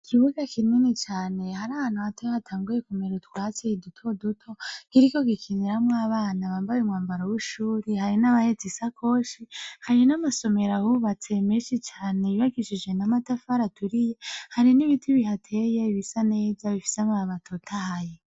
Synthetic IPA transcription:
ikʰiβuɡakʰininit͡ʃaːne̞haɾaβaːn̥huβatʰehatʰaːŋɡuje̞kumeɾutu̥kwaːt͡seidutʰo̞dutʰo̞kiɾiko̞ɡikʰiniɾamŋaːβaːnaβaːmbajumŋaːmbaɾowuʃuːɾihaɾinaβahed͡zisakʰo̞ːʃihaɾinamaso̞me̞ɾahuβat͡se̞miʃit͡ʃaːne̞iβaɡiʃid͡ʒwe̞namatafaɾatʰuɾije̞haɾiniβitʰiβihatʰe̞jeiβisane̞ːzaβifi̥samaaβatʰotʰahaje

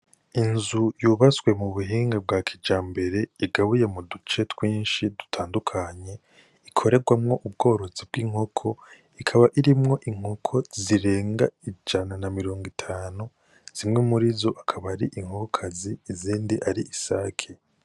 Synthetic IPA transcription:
inzujuːβaswe̞muβuɦiːŋɡab̚ɡwaːkʰid͡ʒaːmbe̞ɾe̞iɡaβuje̞mudut͡ʃe̞twiːnʃidu̥tʰaːndukʰaɲe̞ | ikʰo̞ɾe̞ɡwamŋo̞ʔubɡo̞ːɾo̞zibɡiːŋ̥hokʰo̞ | ikʰaβaʔiɾimŋo̞ʔiŋ̥hokʰo̞ziɾe̞ːŋɡaid͡ʒananamiɾo̞ːŋɡitʰaːnu | z̥imŋemuɾizoʔakʰaβaɾiʔiŋ̥hokʰaziːziːndiʔaɾiisa̰ːkʰe

